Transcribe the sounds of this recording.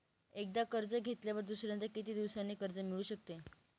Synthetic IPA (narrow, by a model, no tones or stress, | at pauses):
ek̚d̪akəɾd͡zəɡʱet̪ljaʋəɾd̪usɾjãnt̪əɾkit̪iːd̪iʋsɾanːikəɾd͡zəmiɭuːɕək̚t̪e